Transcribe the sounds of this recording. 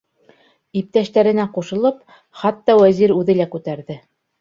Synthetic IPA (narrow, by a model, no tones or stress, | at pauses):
ip̚t̪æʃt̪æɾɘ̆næquʃɤ̆lˠɤp | χɑt̪ːɑwæziɾʉðɘlækʉt̪æɾðɘ